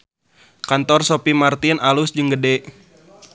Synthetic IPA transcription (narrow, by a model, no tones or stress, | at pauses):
kant̪ɔrsopimart̪ɪnalʊsd͡ʒəŋɡədɛ